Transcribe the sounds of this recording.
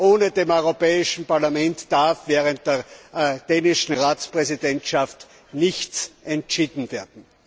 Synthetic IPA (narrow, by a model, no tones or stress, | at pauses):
ʔoːnədeːmɔʏʁopɛːɪʃn̩paɐlamɛntd̥aɐfv̥ɛːʁənt̚d̥eːɐd̥eːnɪʃn̩ʁaːt͡spʁ̥ɛzidɛntʃaft | nɪçt͡sʔɛntʃiːdn̩veːɐdn̩